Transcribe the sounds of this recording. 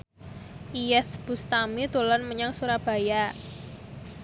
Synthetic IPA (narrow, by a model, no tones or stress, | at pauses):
ʔijɛθb̥ust̪amit̪ulɔnməɲaŋsuɾab̥a̤ja